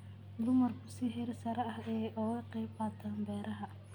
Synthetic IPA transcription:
d̪ʊmɐrkʰʊsɪɦɛɾsɐɾɐɐɦɛːʔɔːɣɐqiːbɐt̪ʰɐːmbɛːɾɐɦɐ

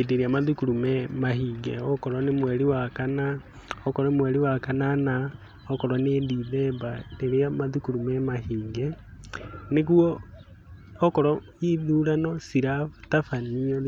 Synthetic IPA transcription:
edeɾeamaðukuɾumɛmaɦiːŋɡɛɔkɔɾwɔnemwɛɾiwakana | ɔkɔɾɔmwɛɾiwakanana | ɔkɔɾwanediðɛmbadeɾeamaðukuɾumɛmahiːŋɡɛ | nekuɔː | kɔɾɔ | iðuːɾanɔsiɾatafaniɔ

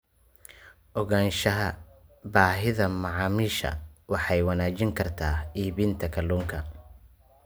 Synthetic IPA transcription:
ʔɔɣaːnʃɐɦɐbaːɦɪðɐmɑʕɑːmiːʃɐ̰wɑħɑjwɑnaːt͡ʃɪŋkʰɐrt̪ʰaːiːβɪnt̪ʰɐkʰɐlːuːŋkʰɐ

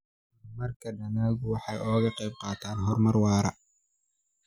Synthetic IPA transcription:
mɐrkʰɐɖɐnaːɣʊwɑħɑjʔɔːɣɐqɛjb̚qɑːt̪ʰaːnɦɔrmɐrwɑːɾɐ

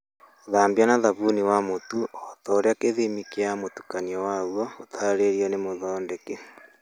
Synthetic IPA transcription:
ðaːmbjanaðaβuniwamotuɔtɔɾeakeðemikeamotu̥kaniɔwawɔotʰaɾeɾiɔnemoðɔːndeke

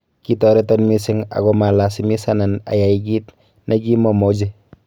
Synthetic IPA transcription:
kitɔɾɛtɔnmisɪŋa̰ɡɔmalasimisanana̰jajɡit | naɡimɔmɔd͡ʒi

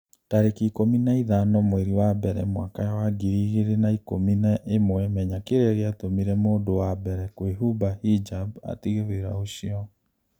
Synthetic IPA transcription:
taɾekikominaiðanɔmweɾiwabɛɾɛ̰mwakajawaɡiɾiːɣeɾenaikominaʔemwɛmɛɲakeɾɛɾeatomiɾɛmoːdowabɛɾɛkweɦubahid͡ʒaba̰tiɣeɾweɾa̰oɕiɔ

